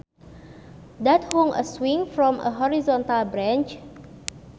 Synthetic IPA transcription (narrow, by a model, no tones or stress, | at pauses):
dat̚hoŋʔə̰swĩŋfɹɔ̃mʔə̰ɦɔɹizɔ̃nt̪albɾãnt͡ʃ